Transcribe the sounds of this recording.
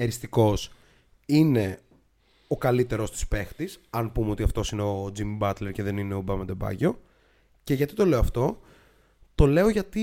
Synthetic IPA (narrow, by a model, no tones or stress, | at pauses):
eɾist̪iko̞s | ine̞ | o̞kɐlit̪e̞ɾo̞st̪i̥spe̞xt̪isɐnpumeo̞t̪iɐft̪o̞sineod͡zimbɐt̪leɾceðe̞nineobɐmɐd̪e̞bɐ̰ʝo̞ | ce̞ʝɐt̪it̪o̞le̞oɐft̪o̞ | t̪o̞le̞o̞ʝɐt̪i